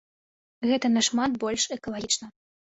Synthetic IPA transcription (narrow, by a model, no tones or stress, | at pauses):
ɣɛt̪ɐnɐʂmat̪bɔlʲʂɛkɐlˠaɣʲit͡ʂnɐ